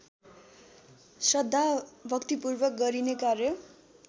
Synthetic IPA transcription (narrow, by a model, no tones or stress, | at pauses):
sʌd̪ʱːabʱʌkt̪ipurbʌk̚ɡʌɾinekarjʌ